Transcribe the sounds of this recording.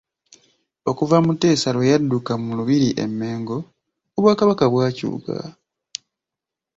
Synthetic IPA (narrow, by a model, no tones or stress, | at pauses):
o̞kuvamute̞ːsalwojadːukamuluβiɾiʔe̞̰mːe̞ːŋɡo̞ː | βwaːkaβakaβwaːcṵːɡa̰